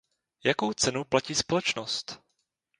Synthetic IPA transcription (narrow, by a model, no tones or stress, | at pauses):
jako̞wt͡sɛnuplaciːspo̞lɛt͡ʃnost̪